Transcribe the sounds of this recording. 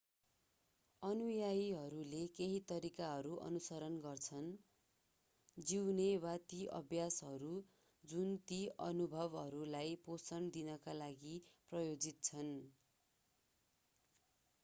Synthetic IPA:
ʌnujajɦʌɾulekeɦit̪ʌɾikaɦʌɾuʔʌ̰nusʌɾʌnɡʌrt͡sʰʌn | d͡ziwnewat̪iʔʌ̰bʱjasɦʌɾu | d͡zunt̪iʔʌnubʱʌbɦʌɾulajposʌɳd̪inʌkalaɡiprʌjod͡zit̪̚t͡sʰʌn

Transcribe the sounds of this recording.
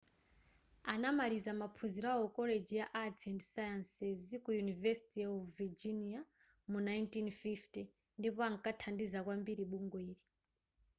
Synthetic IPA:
anamalizamapʰuziɾawɔkɔled͡ʒijaʔad͡zʰɛndsajansɛzikujunivɛsi̥tiavid͡ʒinia | munajntinfifti | ndipɔaŋkʼatʰandizakwambiɾiɓuŋɡweːɾi

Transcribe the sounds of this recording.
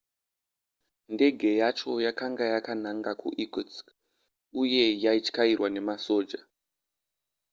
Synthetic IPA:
nde̞ɡʱe̞jat͡ʃo̞jakaŋɡajakanaŋɡakʰṵʔikut͡s | uje̞jait͡ʃkairwane̞maso̞ːd͡ʒa

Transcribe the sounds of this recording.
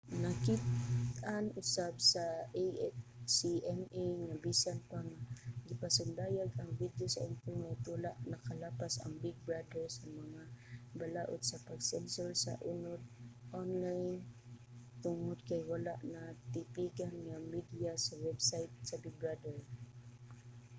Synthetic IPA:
nakit̪anʔʊsab̚sa | siʔɛmejŋabisanpaŋaɡɪpasʊnd̪aːjaɡɐŋvid̪josaʔɪnt̪ʊlmɛjt̪ʊlaʔnɐkɐlaːpasɐ̰ŋbɪɡ̚bɹad̪ɛɹsaŋmɐŋabalaʔod̪̚sɐpaɡsɛnsʊlsa̰ʔʊnʊd̪̚ʔonlajn | t̪ʊŋod̪̚kajwalaʔnɐt̪ɪpiɡanŋamid̪ɪjasawɛbsajt̪̚sɐbɪɡ̚bɹad̪ɛɹ

